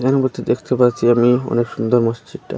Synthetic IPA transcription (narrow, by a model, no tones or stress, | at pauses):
ɛnoboɾt̪ʰed̪ekʰt̪epaɾt͡ɕʰiamiɔ̰nekʃund̪oɾmoʃt͡ɕiʈʈa̰